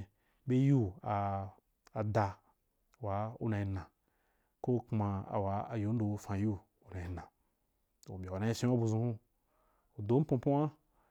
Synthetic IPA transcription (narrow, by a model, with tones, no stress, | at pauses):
be˦ju˦aː˨ | da˧ | wa˨˦ṵ˦na˨i˨nã˨ | ko˦˧˨kmã˧a̰˨wa˨˦a˨ju˨˦n̩˦do˨˧fã˨˦ju˦ | u˨na˨i˨nã˨ | to˨bʲa˨u˨na˧˦i˦ʃẽ˦a˦bu˧zũ˧hũ˦ | u˨do˨˦m̩˦põ˧˦pũ˦wa˦